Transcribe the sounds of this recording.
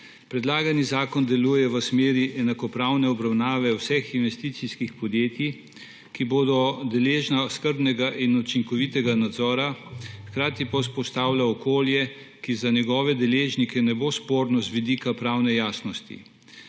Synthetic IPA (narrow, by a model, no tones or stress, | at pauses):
pɾɛd̪laːɡanizaːkɔnd̪ɛluːjɛʋəsmeːɾiʔɛnakɔpɾawnɛɔbɾawnaːʋɛwsɛxinʋɛst̪iːt̪siskixpɔd̪jeːt̪ji | kiboːd̪ɔd̪ɛleʒnaskəɾbnɛɡaʔinut͡ʃiŋkɔʋit̪ɛɡanad̪zɔːɾaxkɾaːt̪ipaws̬pɔst̪aːwlaɔkoːljɛ | kizanjɛɡɔːʋɛd̪ɛleːʒnikɛnɛbospoːɾnɔzʋid̪iːkapɾawnɛjaːsnɔst̪ḭ